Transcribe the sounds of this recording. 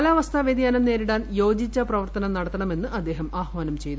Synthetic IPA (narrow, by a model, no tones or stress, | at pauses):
ɐlaːʋɐst̪ʰɐʋed̪jaːnɐmne̞ːɾiɽaːnjo̞ːd͡ʑit͡ɕːɐprɐʋɐrt̪ɐnɐnɐɽɐt̪ːɐɳɐme̞nːɨʔɐd̪ːe̞ːɦɐmaːhʋaːnɐmt͡ɕe̞jt̪u